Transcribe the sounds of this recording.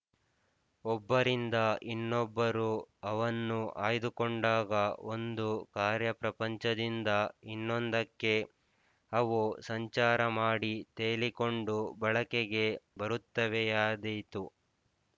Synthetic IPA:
ɔbːɐɾind̪ɐʔinːɔbːɐɾuɐʋɐnːuʔa̰ːjd̪ukoɳɖaːɡɐo̞nd̪ukaːɾjɐpɾɐpɐɲt͡ʃɐd̪ind̪ɐinːond̪ɐkːe̞ | ɐʋusɐɲt͡ʃaːɾɐmaːɽit̪eːliko̞ɳɖubɐɭɐkeɡe̞bɐɾut̪ːɐʋejaːd̪ejt̪u

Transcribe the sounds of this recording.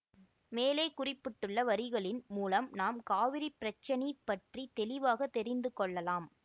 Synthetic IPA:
meːleːkʊrɪpːɪʈːɯɭːɐʋɐɾɪɣɐɭɪnmuːlɐmnaːmkaːʋɪɾɪpɪɾɐt͡ʃːɐnipːɐʈrit̪ɛlɪʋaːɣɐt̪ːɛɾɪnd̪ɯkɔɭːɐlaːm

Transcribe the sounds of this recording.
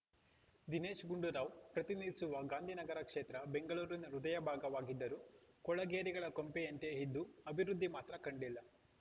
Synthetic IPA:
d̪ineːʃɡuɳɖuɾaːʋpɾɐt̪inid̪isuʋɐɡaːnd̪ʱinɐɡɐɾɐkʂeːt̪ɾɐbe̞ŋɡɐɭuːɾinɾud̪ɐjɐbʱaːɡɐʋaːɡid̪ːɐɾukɔɭɐɡeːɾiɡɐɭɐkompeɐnt̪eɦid̪ːuɐbʱiɾud̪ʱːimaːt̪ɾɐkɐɳɖilːɐ

